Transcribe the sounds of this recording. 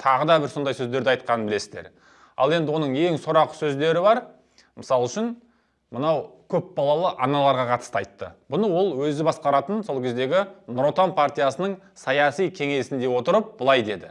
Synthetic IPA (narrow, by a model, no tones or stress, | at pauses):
t̪ʰɑʁəd̪ɑbɪɾso̞nd̪ɑjsɵzd̪e̞ɾd̪ɪɑjt̪̚qɑnənbɪle̞sɪzd̪eɾ | ɑ̰lˠe̞nd̪ɪwo̞nəɴe̞ŋsʊɾɑqːə̥sɵzd̪e̞ɾɪbɑɾ | məsɑlˠʏʃɪn | mənɑwkʲʰɵpbɑlˠɑlˠəʔɑnɑlˠɑɾʁɑqʰɑt̪ə̥st̪ɑjt̪ːə̰bʊnəwo̞lˠwɵzɪbɑsqɑɾɑt̪ənso̞lˠkʲʰe̞zd̪e̞ɡʲɪnɾo̞t̪anpʰart̪ijasənəɴ | sɑjɑsijkʲʰe̞ŋe̞sɪnd̪e̞wo̞t̪əɾəp̚bəlˠɑjd̪e̞d̪ɪ